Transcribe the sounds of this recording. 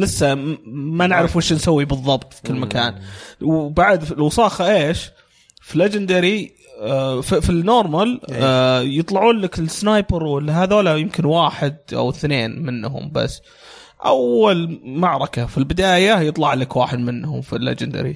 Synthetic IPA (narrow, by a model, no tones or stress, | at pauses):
lɪsːamanɪʕɾɪfɪʃnsawːibɨðˤːɑbt̪ˤfi̥kɪlːmakaːnwbaʕd̪ɪlwɑsˤɑːxɑʔeːʃ | filed͡ʒɪnd̪aɾi | fifinoːɾˤmal | jɨt̪ˤlɑʕuːnlakɪlsnajpəɾwɪlːiɦaːðoːlajɪmkɪnwaːħɪd̪̚ʔa̰wθneːnmɪnːɦʊ̰mba̰sː | ʔa̰wːalmaʕɾˤɑkafilbɪd̪aːjajɨt̪ˤlɑʕlakwaːħɪd̪mɪnːhʊmfilːḛd͡ʒɪnd̪a̰ɾḭ